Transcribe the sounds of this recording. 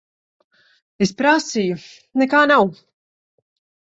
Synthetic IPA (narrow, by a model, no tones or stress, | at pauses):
espɾasiju | nɛkaːnaw